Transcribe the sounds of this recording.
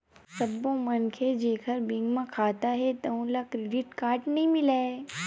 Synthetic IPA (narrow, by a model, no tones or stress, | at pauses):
sɐbːõmɐnkʰed͡ʒeːkʰəɾbɪ̃ŋɡmãkʰaːt̪aɦɛt̪ɐũlakɾeɖɪʈkaːɾʈnɐɦĩmɪlae